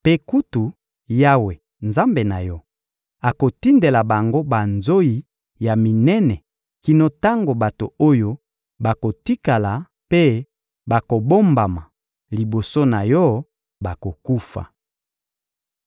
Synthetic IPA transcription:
pe˦ku˦tu˨ | ja˦we˨ | nza˦mbe˨na̰˨jɔ˦ | a˨ko˨ti˦nde˨la˨ba˨ŋɡo˦ba˨nzo˦i˨ | ja˨mi˨nɛ˦nɛ˨ | ki˨no˦ta˦ŋɡo˨ba˨to̰˨o˦jo˦ | ba˨ko˨ti˦ka˨la˨ | pe˦ | ba˨ko˨bo˦mba˨ma˨ | li˨bo˨so˦na˨jɔ˦ | ba˨ko˨ku˦fa̰˨

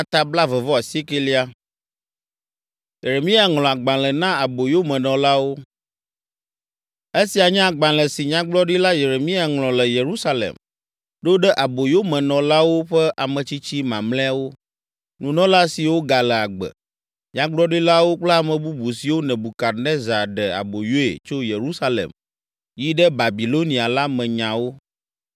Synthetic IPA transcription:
a˦t̪a˦bla˦vɛ˨vɔ˦a˨si˦ke˦li˦a˦ | je˨ɾe˨mĩ˦a˦˨ŋlɔ˨a˨ɡ͡bã˨lɛ˨nã˦a˨bo˨jo˦mɛ̃˨nɔ̃˨la˦wo˦ | e˦si˨a˨ɲɛ̃˦a˨ɡ͡bã˨lɛ˨si˨ɲã˦ɡ͡blɔ˦ɖi˦la˦je˨ɾe˨mĩ˦a˨ŋlɔ̃˨lɛ˨je˨ɾu˦sa˦lḛ˨m | ɖo˦ɖɛ˦ʔa˨bo˨jo˦mɛ̃˨nɔ̃˨la˦wo˦ɸɛ˦ʔa˨mɛ̃˨t͡ɕi˦t͡ɕi˦mã˨mlɛ̃˦a˨wo˦ | nũ˨nɔ̃˦la˦si˨wo˦ɡa˨lɛ˨a˨ɡ͡bɛ̰˨ | ɲã˦ɡ͡blɔ˦ɖi˦la˦wo˦k͡plɛ˦a˨mɛ̃˨bu˦bu˨si˨wo˦nɛ̃˨bu˨ka˨nɛ̃˦za˨ɖɛ˨a̰˨bo˨jo˦ḛ˨t͡ʃo˦je˨ɾu˦sa˦lɛ̰˨m | ji˦ɖɛ˦ba˨bi˨lo˦nĩ˨a˨la˦mɛ̃˨ɲã˨wo˦

